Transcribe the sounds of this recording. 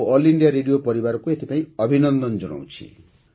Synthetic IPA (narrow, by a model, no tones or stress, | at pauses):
ɔliɳɖijaɾeɽijopɔɾibaɾɔkuet̪ʰipaĩɔbʱinɔnd̪ɔnd͡ʒɔɽ̃ɔ̰w̃t͡ʃʰḭ